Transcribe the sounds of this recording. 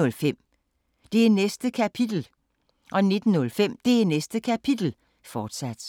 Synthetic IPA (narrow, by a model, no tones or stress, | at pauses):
ɔ̽lfem̰ | d̥e̝ænesd̥əkʰæpʰid̥l̩ | ʔɒ̽ne̝d̥n̩ːɔ̽lfem̰d̥e̝ænesd̥əkʰæpʰid̥l̩ | fɒːd̥sæd̥